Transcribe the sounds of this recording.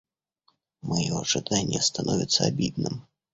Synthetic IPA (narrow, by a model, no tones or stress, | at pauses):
majɔɐʐɨd̪anʲːɛst̪anɔvʲɪt̪sːəabʲid̪̚nɨm